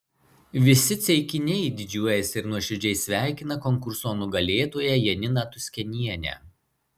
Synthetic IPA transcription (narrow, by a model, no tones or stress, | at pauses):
ʋʲɪsʲɪt̪sʲɛɪkʲɪnʲɛɪd̪ʲɪd͡ʒʲuɔjɛsʲɪɾnuɔʃʲʊd͡ʒʲɛɪsʲʋʲæˑɪkʲɪnɐkɔŋkʊɾsoːnʊɡɐlʲeːt̪oːjɛjɛnʲɪnɑːt̪ʊsʲkʲɛnʲiɛnʲɛ̰ː